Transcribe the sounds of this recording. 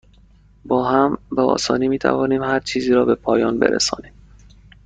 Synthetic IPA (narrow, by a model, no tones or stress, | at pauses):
bɒːɦæmbæɒ̰ːsɒ̰ːniːmiːt̪ʰæ̰vɒːniːmhæɾt͡ʃʰiːziːɾɒːbe̞pʰɒːjɒːnbḛɾʔḛsɒ̰ːniːm